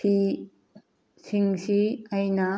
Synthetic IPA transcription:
i | siŋsiɐjnɐ

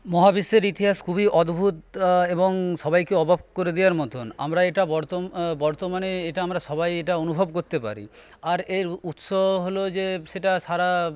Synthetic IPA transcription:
mɔɦabisːeɾit̪iɦaskʰubiʔɔd̪bʱut̪eboŋʃɔbajkeɔbʱabkoɾed̪ijaɾmɔt̪ona̰mɾaeʈabɔɾt̪obɔɾt̪omaneeʈaamɾaʃɔbajeʈaonubʱobkoɾt̪epa̰ɾḭ | aɾeɾut̪ʃoɦɦolod͡ʑeʃeʈaʃaɾa

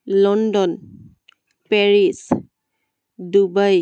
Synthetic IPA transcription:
lɔndɔn | pɛɹis | dubaj

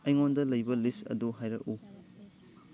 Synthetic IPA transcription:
ɐjŋondɐlɐjbɐlistɐ̰duɦajɾɐ̰ʔu

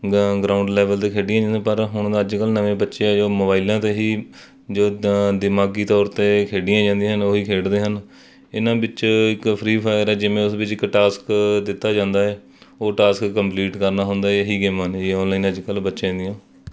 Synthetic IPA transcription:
ɡɾaːʊ̃ɳɖlɛːʋəlt̪eːkʰeːɖɪjãːd͡ʒãːd̪ãːpəɾɦʊɳd̪aːəd͡ʒkəlnəʋẽːbətːʃeɛːd͡ʒoːmoːbaːilãːt̪eːɦiː | d͡ʒoːd̪ɪmaːɡiːt̪ɔːɾt̪eːkʰeːɖɪjãːd͡ʒãːnd̪ĩːɦənoːɦiːkʰeːɽd̪eːɦən | ɪnãːbɪt͡ʃɪkpʰɾiːpʰaːɪəɾɛːd͡ʒɪʋẽːʊsbɪt͡ʃɪkʈaːskd̪ɪt̪ːaːd͡ʒãːnd̪aːɛː | oːʈaːskːəmpliːʈkəɾnaːɦʊnd̪aːɛɦiːɡeːməniːɔ̃ːnlaːiːnəd͡ʒkəlbətːʃẽːd̪ɪjãː

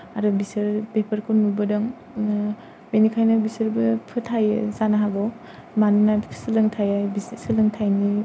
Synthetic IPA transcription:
aɾɯbisɐɾbepʰɐɾkʰunmubɐdɐŋ | menikʰajnɐbisɯɾbɯpʰɯtʰajɯzanaɦaɡɔw | manunḁsɯlɯŋtʰajajbissɯlɯŋtʰajni

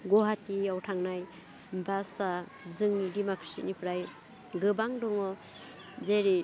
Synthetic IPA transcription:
ɡɔɦatiawtʰaŋnaj | basa | zɯŋnidimakʰɾe̥sḭnipʰɾaj | ɡɯbaŋdɔŋɔ | zeɾi

